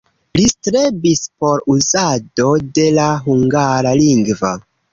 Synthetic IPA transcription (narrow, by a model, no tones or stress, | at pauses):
listɾebispo̞ɾuzado̞de̞laɦuŋɡaɾaliŋɡva